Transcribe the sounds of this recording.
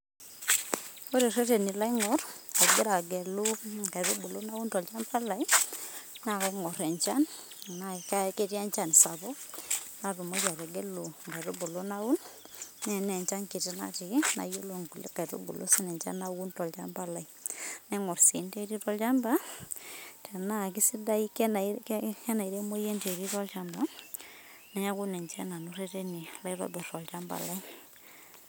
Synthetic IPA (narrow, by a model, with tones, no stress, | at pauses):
o˦ɾe˨rɛ˦te˨ni˨la˦i˦ŋɔ˦ra˨ɡe˦ɾa˨ɡɛ˨lu˦ɡa˨ɾo˦bo˨lo˦na˦u˦ntɔ˨lt͡ʃa˦mba˦la˨i˦ | na˨ka˨˦ŋɔ˨ɾɛ˨ɲt͡ʃa˦n˨na˨ka˦ke˦tja˦ɲt͡ʃa˨nsa˨bɔ˦na˨ro˨mo˦ja˨ɾɛ˨ɡɛ˦lo˨ŋɡa˨ɾo˦bo˨lo˦na˦u˦nː | ɛ˨nɛ˨ɲt͡ʃa˦ŋke˨ti˦na̰˦ti˨˦na̰˨je˦lo˨ŋɡu˨lḛ˦ka˨ɾo̰˦bo̰˨lʔo̰˦si˦nɛ˨ɲt͡ʃa̰˦na˦wu˦ntɔ˨lt͡ʃa̰˦mba˦la˨i˨nɛ˦ŋɔ˨rsi˨˦nde˦ɾi˦tɔ˦lt͡ʃa˦mba˦ | tʰɛ˨na˦˨k̬i˦si˦da˦i˦kn˨ɛ˦na˨i˨ɾe˦mo˦je˦nte˨ɾi˦tɔ˦lt͡ʃa˦mba˦ | nɛ˨ja˦ku˦nɛ˨ɲt͡ʃɛ˦na˨no˦re˦te˦ni˨la˦i˦ɾɔ̰˦dɔ˨tɔ˨lt͡ʃa˦mba̰˨la˦i